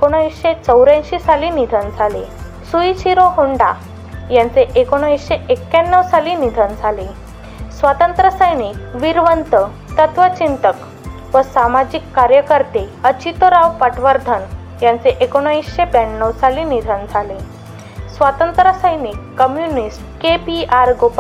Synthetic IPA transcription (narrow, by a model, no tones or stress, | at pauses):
ekoɽ̃isɕet͡səwɾãɕisalinid̪ʱənd͡zʱale | sujt͡ɕʰiɾoɦuɳɖa | jãnt͡seʔekoɽ̃əĩsɕeekːjanːəʋsalinid̪ʱənd͡zʱale | sʋat̪ənt̪ɾəsəjnikʋiɾʋənt̪ə | t̪ət̪ʋət͡ɕint̪ək | ʋəsamad͡ʑikːaɾjəkəɾt̪eət͡ɕit̪oɾaʋpəʈʋəɾd̪ʱən | jãnt͡seʔekoɽ̃oisɕepjanːəwsalinid̪ʱənd͡zʱale | sʋat̪ənt̪ɾəsəjnikːəmjunisʈkepiaɾɡop